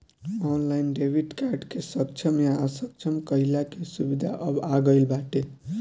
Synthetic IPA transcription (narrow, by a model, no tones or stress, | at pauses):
ɔnlainɖebʱiʈkaɾɖkesək̚t͡ʃʰəmjaəsək̚t͡ʃʰəmkəɦilakesubid̪ʱaʔəbaɡəɪlbaʈe